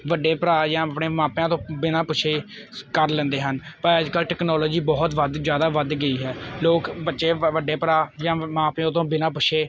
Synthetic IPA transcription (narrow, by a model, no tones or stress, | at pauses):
ʋəɖːeːpəɾaːjãːəpɳeːmãːpjãːt̪̬õːbɪnãːpʊt͡ʃʃʰeː | kəɾlə̃ːnd̪eːɦənpəɾəd͡ʒkəlʈɛːknɔːlɔːd͡ʒiːbɔːt̪ʋəd̪zjaːd̪aːʋəd̪ɡəiːɦɛːloːkbətːʃeːʋəɖeːpɾaːjãːmãːpjõːt̪õːbɪnãːpʊʃʰeː